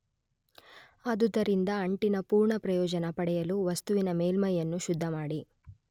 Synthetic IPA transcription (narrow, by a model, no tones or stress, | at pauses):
ɐd̪ud̪ɐɾind̪ɐːɳʈinɐpuːɾɳɐpɾɐjɔːd͡ʒɐnɐpɐɽɛjɐluʋɐst̪uʋinɐmeːlmɐjɐnːuʃud̪ʱːɐmaːɽi